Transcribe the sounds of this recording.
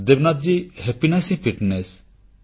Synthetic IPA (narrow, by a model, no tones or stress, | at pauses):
d̪ebnat̪̚d͡ʒihepinasĩfiʈnes